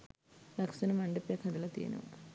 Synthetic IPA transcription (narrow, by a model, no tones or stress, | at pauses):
lɐksɐnumɐɳɖɐpjɐkʰɐd̪ilɐt̪ḭːnṵ